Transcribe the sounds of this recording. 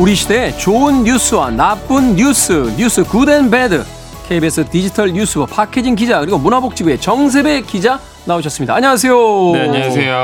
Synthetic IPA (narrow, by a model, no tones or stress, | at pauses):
uɾiɕʰide̞t͡ɕoɯnːusʰɯwanap͈ɯnjus͈ʰɯɲus͈ʰɯkudenbedɯ | kʰeibesʰɯtid͡ʑitʰʌɭɲus͈ʰɯbʌpʰakʰed͡ʑink̬id͡ʑakɯɾiɡomunɦabok̚t͡ɕ͈iɡue̞t͡ɕʌŋs̬ʰe̞be̞kid͡ʑa | naoɕ̬ʰʌs͈ɯmɲidaːɲʌŋas̬ʰe̞jo | e